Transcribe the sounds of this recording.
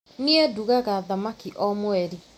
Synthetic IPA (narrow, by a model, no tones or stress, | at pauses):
nieduɣaɣaðamakiʔɔmwɛɾi